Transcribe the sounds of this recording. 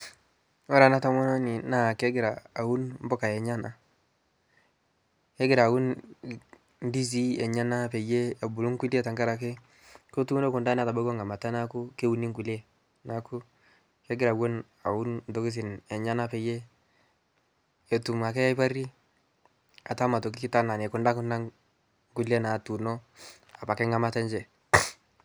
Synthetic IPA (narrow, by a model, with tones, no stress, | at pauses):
wa˦ɾa˨na˦ta˦mo˦no˦ni˨na˦˨ke˦ɡɪ˨ɾaː˨wu˦nm˦bɔ˦ka˨je˨ɲa˦na˨ | ke˦ɡɪ˨ɾa˨wu˦n | di˦s̬i˦e˨ɲa˦na˦pe˨je˦a˨bu˨lu˦ŋku˦li˦ta˨ŋɡa˦ɾa˨k̬e˦ | ko˦tu˦u˦no˦ku˨nda˦na˦˨ta˨ba˦ɡo˦ŋa˨ma˨ta˦na˦ku˦ke˦wu˨˦ni˦ŋku˨le˦ | na˨ku˦ | kɛ˦ɡɪ˦ɾa˨ɡwo˦n | a˨wu˦nn˨do˦ki˦s̬ɪ˨nɛ˨ɲa˦na˦pɛ˨je˦ | ɛ˨tu˨ma˨kɛ˦ja˦pa˦ɾi˦ | a˨ta˦ma˨to˨k̬i˦ki˦ta˦na˨nɛ˨ku˨nda˦ku˦nda˦ŋ | ku˦le˦na˨tu˨no˦ | a˨pa˨kɛ˦ŋa˦ma˦ta˦nd͡ʒɛ˨